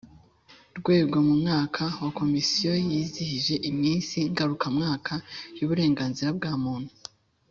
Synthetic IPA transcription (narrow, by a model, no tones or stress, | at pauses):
ɾɡwe̞ːbɡomumŋaːkʰawako̞misijo̞jiːzihiʒe̞ʔimɲiːnsiŋɡaɾukamŋaːkʰajuβuɾe̞ːŋɡaːnziɾabɡaːmuːn̥hu